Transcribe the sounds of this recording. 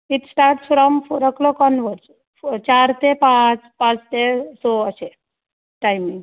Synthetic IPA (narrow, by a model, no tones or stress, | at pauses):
iʈsʈaɾʈsfɾɔmɾəkʰlɔkɔnʋəɾs | t͡ɕaɾt̪epãt͡spãt͡st̪esoəse | ʈajmĩŋɡ